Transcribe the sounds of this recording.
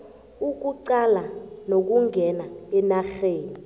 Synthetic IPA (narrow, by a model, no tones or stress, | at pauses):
uk̬uǀalanok̬uŋʱɛnaɛnaxeːni